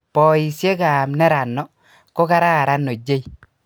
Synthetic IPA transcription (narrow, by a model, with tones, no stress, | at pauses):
pɔ˨i˨sje˦ka˨mnɛ˦ɾa˨nːɔ˨ | ko˦ka˦ɾa˦a˨ɾa˦nːo˨d͡ʒe˦i˨